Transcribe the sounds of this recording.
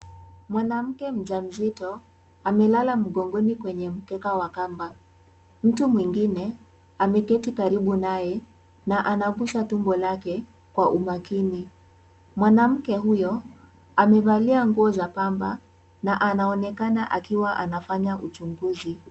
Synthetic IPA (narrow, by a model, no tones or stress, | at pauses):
mwanam̩kɛm̩ʄam̩zitɔ | amɛlalam̩ɠɔŋɡɔnikwɛɲɛm̩kɛkawakamba | m̩tumwiŋɡinɛ | amɛkɛtikaɾiɓunajɛ | naʔanaɡuʃatumbɔlakɛ | kwaʔumakini | mwanam̩kɛɦujɔ | amɛvaliaŋɡuɔzapamba | naʔanaɔnɛkanaʔakiwaʔanafaɲaʔut͡ʃuŋɡuzi